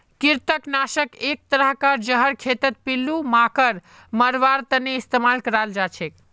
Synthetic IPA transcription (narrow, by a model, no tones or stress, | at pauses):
kiɾt̪əknasəkek̚t̪əɾəɦkəɾd͡ʒəɦəɾkʰet̪ət̪̚pilːumakəɾ | məɾʋaɾt̪ənːeist̪emalkəɾald͡ʒat͡ʃʰek